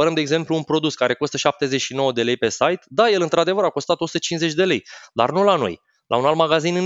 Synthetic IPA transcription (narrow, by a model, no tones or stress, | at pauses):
əɾəmd̪eːɡze̞mpluːnpɾo̞d̪uskaɾe̞ko̞st̪əʃap̚t̪e̞ze̞t͡ʃʃino̞wəd̪e̞le̞jpe̞sajt̪d̪aje̞lɨnt̪ɾad̪e̞vəɾako̞st̪at̪osut̪ət͡ʃinze̞t͡ʃʲd̪e̞le̞jd̪a̰rnulano̞̰j | lʔa̰unalt̪maɡazinɨn